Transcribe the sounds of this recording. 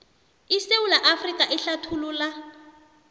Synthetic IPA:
iseulaʔafrikʼaʔɪɬatʰulula

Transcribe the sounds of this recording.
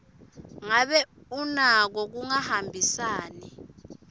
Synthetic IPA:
ŋaɓɛunak̬ɔk̬uŋahambʱisaːni

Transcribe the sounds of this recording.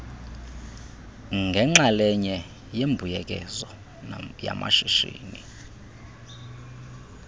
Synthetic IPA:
ŋɡʱɛŋ͡ǁalɛɲɛ | jembʱujɛk̬ʼɛzɔ | ja̰mʔa̰ʃiʃḭːni

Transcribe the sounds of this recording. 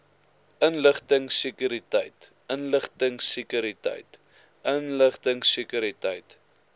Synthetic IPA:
ʔənləχtəŋsikyɾitə̰jt | ənləχtəŋsikyɾitə̰jt | ʔənləχtəŋsikyɾitə̰jt

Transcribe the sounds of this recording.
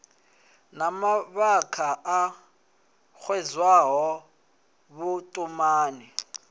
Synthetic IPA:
namaβakʰaʔa | xʰwɛzwaɦɔ | βʊtʼumaːni

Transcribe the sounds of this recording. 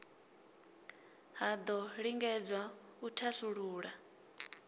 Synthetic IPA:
ɦad̪ɔɺiŋɡɛd͡zwautʰasuɺuːɺa

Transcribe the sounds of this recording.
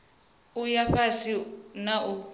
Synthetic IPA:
ujaɸasinaʔu

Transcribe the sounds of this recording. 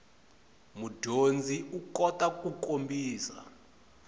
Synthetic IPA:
mudʱond͡zʱiukɔtʼakʼukʼombʱiːsa̰

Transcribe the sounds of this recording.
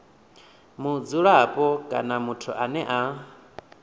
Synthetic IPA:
mud͡zuɺapʼɔkʼa̰namutʰuʔanɛʔa

